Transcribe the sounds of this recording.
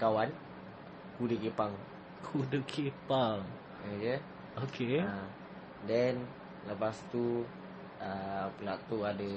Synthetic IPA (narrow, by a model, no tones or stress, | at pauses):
kawan | kudəkepaŋ | kʰudəkʰepaŋ | oke | okʰea | dɛn | ləpast̪u | əpəlaʔt̪uadə